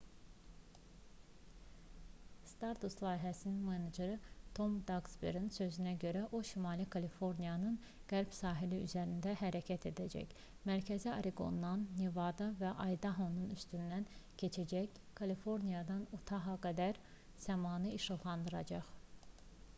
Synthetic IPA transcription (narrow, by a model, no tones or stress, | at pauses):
st̪ɑɾt̪ʰuslˠɑːjɦæsininmened͡ʒeɾɯt̪ʰo̞md̪ɑɡsbḛɾinsø̞zynæɟø̞ɾæʔo̞ʃimɑlˠikʰɑlifo̞ɾnijɑnɯn | ɡ̥æɾb̥sɑːɦiliyzæɾind̪æɦæɾæcʰæt̪ʰe̞d̪æd͡ʒæ̰ç | mæɾcʰæziɑ̰ɾʔiɡo̰nːɑnːevɑd̪ɑvæʔɑjd̪ɑɦonunyst̪ynd̪æncʰe̞t͡ʃʰæd͡ʒæç | kʰɑlifo̞ɾnijɑd̪ɑnut̪ʰɑɦɑɡæd̪æɾ | z̥æmɑːnɯiʃɯɣlˠɑnd̪ɯɾɑd͡ʒɑχ